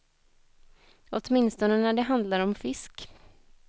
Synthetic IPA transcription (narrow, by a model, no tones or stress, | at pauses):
ɔt̪mɪnst̪ɔnənæɖɛɦand̪laɾɔmfɪsk